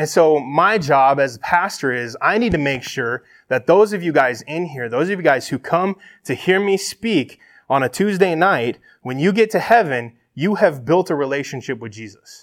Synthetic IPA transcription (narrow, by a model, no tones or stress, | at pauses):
ɨ̃nsoʊmaɪd͡ʒɑbɨzəpʰæstə˞ɪzaɪnid̚tʰɨmeɪkʃʊɹ | ðɨt̪̚ðoʊzʌvjɨɡaɪzɪ̃nɦiɹðoʊzʌvjɨɡaɪz̥hʉkʰʌ̃mtʰɨhiɹmispik | ə̃nɨtʰʉzdeɪnaɪt̚ | wɨ̃njɨɡɛtʰɨhɛvɨ̃n | jɨɨvbɪlˠtəɹileɪʃɨ̃nʃɪpwɨðd͡ʒizəs